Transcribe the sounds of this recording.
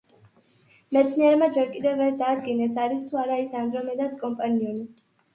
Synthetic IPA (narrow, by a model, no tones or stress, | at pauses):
mɛt̪sʰniɛɾmad͡ʒɛɾkʼid̪ɛvːɛɾd̪aːd̪ɡinɛsaɾist̪ʰuaɾaisand̪ɾɔmɛd̪askʼɔmpʼaniɔni